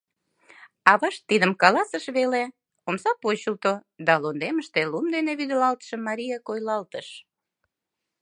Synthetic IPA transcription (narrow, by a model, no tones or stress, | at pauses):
ɑβɑʃt̪ːid̪əmkɑlɑsəʃβele | omsɑpot͡ɕəlt̪od̪ɑlond̪eməʃt̪elumd̪eneβyd̪əlɑlt̪ə̥ʃəmːɑɾʲijɑkojlɑlt̪əʃ